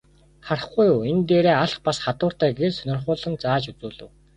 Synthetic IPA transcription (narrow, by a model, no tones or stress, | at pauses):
χaɾə̆χɡujʊːent̪eːɾeːaɮχpasχat̪ʊːr̥t̪æːɡersœnʲɪ̆rχʊːɮə̆nt͡saːt͡ɕut͡suːɮɘ̆w